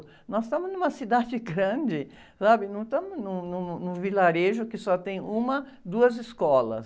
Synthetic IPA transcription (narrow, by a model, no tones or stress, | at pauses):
nɔst̪ɐ̃mʊznũmɐsid̪ad͡ʒɪɡɾɐ̃d͡ʒɪ | sabɪnɐ̃w̃t̪ɐ̃mʊznʊ̃nʊ̃nʊ̃vilaɾeʒʊkɪsɔt̪ẽj̃ũmɐ | d̪uɐzɪskɔlɐ̰s